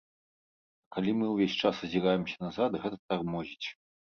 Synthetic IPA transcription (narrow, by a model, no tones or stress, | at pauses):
kalʲimɨwvʲesʲt͡ʂasɐzʲiɾajɛmsʲɐ̥nɐzat̪ɣɛt̪ɐt̪armɔzʲit͡sʲ